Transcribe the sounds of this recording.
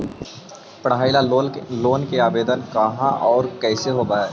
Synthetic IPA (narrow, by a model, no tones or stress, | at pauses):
pəɽaːɪlaloːnkeaːbeːd̪ənkɐɦãʔɔːɾkɛːseɦoːbaːɛː